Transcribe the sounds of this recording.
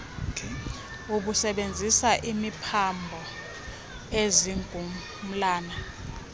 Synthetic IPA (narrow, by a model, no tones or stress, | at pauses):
uɓusɛɓend͡zʱisaʔimipʰambʱɔ | eziŋɡʱu | m̩laːna